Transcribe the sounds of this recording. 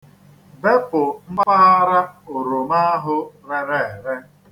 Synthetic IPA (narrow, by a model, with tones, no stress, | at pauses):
be˦pʊ˨m̩˦m˦ma˦a˦ɾa˦o˨ɾo˨ma˦a˦ɦʊ˦ɾe˨ɾe˨e˨ɾe˦